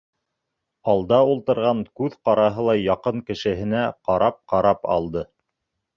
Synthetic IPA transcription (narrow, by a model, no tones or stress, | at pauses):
ɑlˠd̪ɑulˠt̪ɤ̆ɾʁɑŋkʉðqɑɾɑɦɤlˠɑjɑqɤɴkɘ̆ʃɘ̆ɦɘ̆næqɑɾʔɑp̚qɑɾɑpɑ̰lˠd̪ɤ